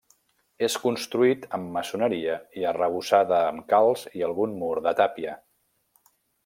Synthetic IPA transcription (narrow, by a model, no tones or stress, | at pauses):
eskunst̪ɾuit̪əmːəsunəɾiəiərəβ̞usaðəːmkalˠziəlˠɣunmuɾðət̪apiə